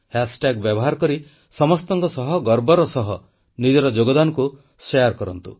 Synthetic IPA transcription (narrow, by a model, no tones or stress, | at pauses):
hasʈaɡbjɔbɔɦaɾɔkɔɾi | sɔmɔst̪ɔŋkɔsɔɦɔɡɔɾbɔɾɔsɔɦɔ | nid͡ʒɔɾɔd͡ʒoɡɔd̪anɔku | seaɾkɔɾɔnt̪ṵ